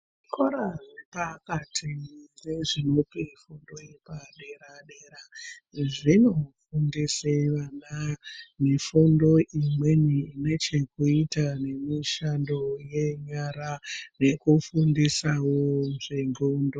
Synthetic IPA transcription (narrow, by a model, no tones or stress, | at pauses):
ʐ | kʰoɾaʐepakatʰireʐino̞pifundo̞ipaɗeɾaɗeːɾaʐino̞fundiseiʋananefundo̞ʔimwe̞niːne̞t͡ʃe̞kuitane̞miʃando̞je̞ɲaɾane̞kufundisawoʐeŋɡuːndo